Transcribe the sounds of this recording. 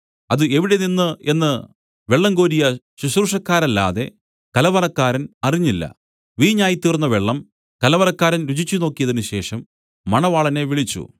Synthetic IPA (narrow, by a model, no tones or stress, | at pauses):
ɐðɨe̞ʋiɽe̞ninːɨe̞nːɨ | ʋe̞ɭːɐŋɡo̞ːɾijɐ | ɕuɕruʂɐkːaːɾɐlːa̰ːðe̞̰ | kɐlɐʋɐlɐkːaːɾɐnɐriɲːilːɐ̰ | ʋiːɲaːjit̪ːirnːɐʋeɭːɐm | kɐlɐʋɐlɐkːaːɾɐnɾut͡ɕit͡ɕːuno̞ːkːijɐðinɨɕe̞ːʂɐmː | ɐɳɐʋaːɭɐne̞ʋiɭit͡ɕːṵ